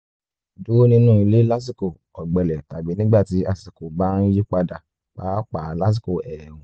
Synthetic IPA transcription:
du˨˦nĩ˧nũː˦˨i˧le˦la˦s̬i˦ko˨ | ɔ˨ɡ͡bɛ˨lɛ˨ta˨bi˨˦nĩ˦ɡ͡ba˦˨ti˨˧˦a˧si˨ko˨ba˦n̩˦ji˦k͡pa˧da˨ | k͡paː˦k͡pa˨˦la˦s̬i˦ko˨ʔɛ˨hũ˨

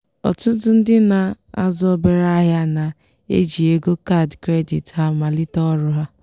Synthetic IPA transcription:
ɔ̰˨tʊ˦dʊ˦n̩˦dɪ˦na˨ | a̰˦zɔ˦be˨ɾa˦ɦja˦na˨ | ḛ˦d͡ʒi˨e˦ɡo˦ka˦˨dkɾe˦di˨tha˦ma˨lɪ˦tɔ˦ɾʊ˦ɦa˦

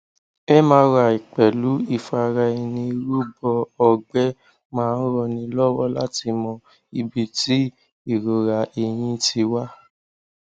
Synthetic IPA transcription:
ɛ˦mãː˧˦ɾa˨i˨k͡pɛ˨lu˨˦i˦˨fa˧ɾa˧i˧nĩ˧ɾu˦bɔ˧ɔ˧ɡ͡bɛ˦ | mãː˦n̩˦ɾɔ˧˨nĩ˧lɔ˦wɔ˦la˦ti˧mɔ̃˧ | i˧bi˧ti˦ | i˦˨ɾo˨ɾa˨e˧j̃ĩ˧ti˧wa˦

